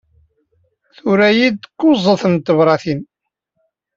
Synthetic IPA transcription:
θʊɾæjid̪kːʊzˤəθənt̪ːəvɾˤɑθin

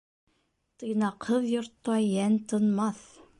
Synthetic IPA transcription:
t̪inɑqʰəðjəɾt̪ːoɑjænt̪ənmɑθ

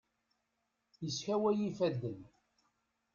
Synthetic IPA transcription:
jəsçæwæjifæd̪ːən

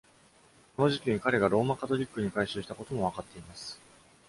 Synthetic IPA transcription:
ko̞no̞ʑikʲiɲ̟ikaɾe̞ɡaɾo̞ːmakat̪o̞ɾʲikːɯ̟ɲ̟ikaiɕɨːɕi̥t̪ako̞t̪o̞mo̞β̞akat̪ːe̞imasɨ̥

